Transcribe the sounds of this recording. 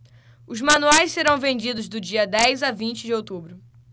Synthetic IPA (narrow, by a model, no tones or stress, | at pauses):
ʊzmɐ̃nuajsseɾɐ̃w̃vẽnd͡ʒid̪ʊzd̪ʊd͡ʒiɐd̪ɛjzavĩnt͡ʃɪd͡ʒɪowt̪ubɾʊ